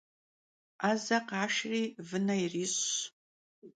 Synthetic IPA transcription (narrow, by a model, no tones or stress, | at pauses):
azaqaʃrivɨnairiɕ